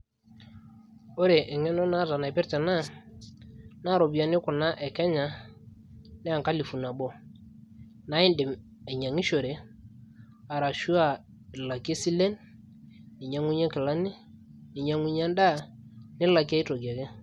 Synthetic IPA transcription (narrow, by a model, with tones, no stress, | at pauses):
o˦ɾe˨ʔɛ˨ŋɛ˦nɔ˦na˦ta˨na˨ɛ˨pɛ˦ɾtɛ˨na˦ | na˦˨ɾɔ˨bi˨a˨nɪ˦kʊ˨na˦ʔɛ˨kɛ˦ɲa˨ | nɛ˦a˨ŋka˦li˨fu˨na˨bɔ˦ | na˨˦i˦ndɛ˨ | ɛ˨ɲa˨ŋi˦ʃo˨ɾe˨ | a˨ɾa˨ʃu˦a˦˨ | la˨ki˦e˦si˦lɛ˦n | nɪ˨ɲa˨ŋu˦ɲa˦kɪ˨la˦ni˦ | nɪ˨ɲa˨˦ŋi˦ɲa˦nda˦ | nɪ˦la˨ki˦a˦i˦to˨ɡa˨kɛ˦